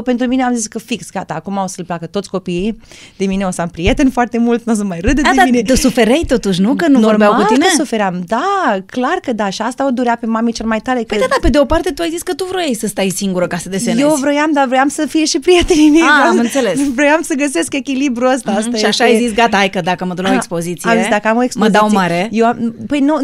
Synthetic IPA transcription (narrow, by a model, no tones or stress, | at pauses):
pent̪ɾumineamziskəfiksɡat̪aːkumawsəlplakət̪o̞t̪sʲko̞piid̪emine̞osampɾijet̪e̞nfoart̪e̞mult̪nos̬unmajrɨd̪əd̪eaminet̪əsufeɾejt̪o̞t̪uʃ̬nukənunuvorbawkut̪inesufe̞ɾeamd̪aklarkəd̪aʃiast̪aod̪uɾeape̞mamit͡ʃelemajt̪aɾekəjd̪ad̪ape̞d̪eopart̪e̞t̪uajzisʲkət̪uvɾojejsəst̪ajsiŋɡuɾəkasəd̪esenjevɾo̞jamd̪avɾojamsəfijeʃipɾijet̪eniniamɨnt̪selesvɾo̞jamsəɡəse̞ske̞kʲilibɾuəs̬t̪aast̪aʃiaʃaajzitsɡat̪aajkəd̪akəməd̪uɾaekspo̞zit̪siiamezisd̪akəamo̞eksmpozd̪iawsijmaɾejewampəjnu